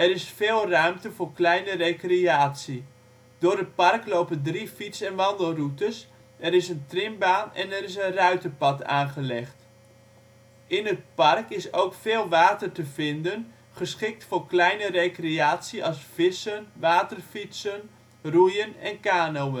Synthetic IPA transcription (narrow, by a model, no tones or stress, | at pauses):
ɛɾɪsfeːlˠrœɥmtəvʊːɹklɛjnərejkreaːtsi | d̥ʊːɹdəpɑrklowpəndrifitsɛnʋɑndəlˠrutəs | ɛɾɪsəntrɪmbaːnɛ̰nɛɾɪs̬ənrœɥtəpɑta̰ːnχəlɛχt | ʔɪnət̚pɑrkɪsowkfɪːlˠʋaːtərtəvɪndən | χəsχɪk̚tfʊːɹklɛjnərejkreaːtsiɑlˠsfɪsənʋaːtərfitsən | rujənɛnkaːnowən